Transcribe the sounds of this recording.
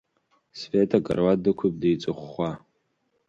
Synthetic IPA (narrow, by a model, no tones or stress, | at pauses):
sfetʰaɡʼa̰rwadɨkʷʰʊp̚dejt͡sʷʼɨχʷːa